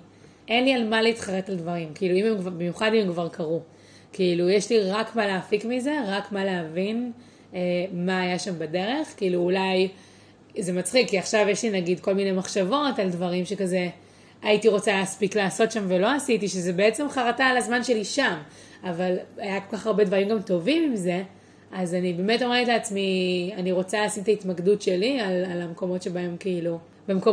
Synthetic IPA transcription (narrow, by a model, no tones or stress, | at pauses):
enlialmaleitχaʁetaldvaʁimkiiluimemkvabimjuχadimemkvaʁkaʁu | kiːlujeʃliʁakmaleːfikmize̞ʁakmaleavin | emaːjaʃambade̞ʁe̞χkiiluːlaj | zemat͡sχikːiaχʃavjeʃlinaɡidko̞lminejmaχʃavo̞taldvaʁimʃe̞kaze̞ | aitiʁo̞t͡salaːspiklaːso̞tʃamvelo̞asitiʃezebeet͡se̞mχaʁatalazmanʃe̞liʃam | avalajako̞lkaχaʁbe̞dvaʁimɡamto̞vimimze̞ | azanibeme̞to̞me̞etleat͡smianiʁo̞t͡saleaːsimtaitmaɡdutʃe̞lialalameko̞mo̞tʃebae̞mkeilu | bemko